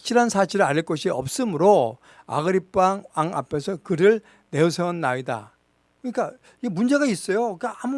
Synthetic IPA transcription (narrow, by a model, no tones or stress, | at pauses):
ɕʰiɾansʰaɕʰiɾɯɭaɾiɭk͈ʌɕʰiʌp̚s͈ɯmɯɾo | a̰ɡɯɾip͈ːaŋaŋa̰pʰe̞sʰʌkɯɾɯɭ | ne̞osʰʌnːaida̰ | kɯɲik͈a | iɡemund͡ʑe̞ɡais͈ʌjok͈aam